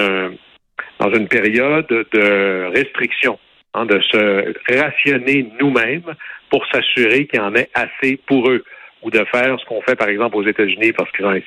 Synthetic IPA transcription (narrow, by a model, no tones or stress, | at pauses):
ə̃ | d̪ɑ̰̃zynpeʁjɔd̪ːəʁɛst̪ʁiksjɔ̃ | ɛ̰̃d̪əsəʁasjɔnenumɛ̃mpuʁsasyʁekʲilɑ̃ːnɛʔasepuʁøud̪əfɛːʁsə̥kɔ̃fɛpaʁɛɡzɑ̃plozet̪azynipaʁsə̥kilzɔ̃ɛ̃